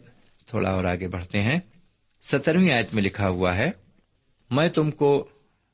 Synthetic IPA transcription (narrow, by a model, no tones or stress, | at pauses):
t̪ʰo̰ːɽʔa̰ɔːɾaːɡebɐɽ̤t̪eɦɛ̃ː | sɐt̪əɾmiaːjət̪mẽlɪkʰaɦʊaɦɛː | mɛ̃ːt̪ʊmko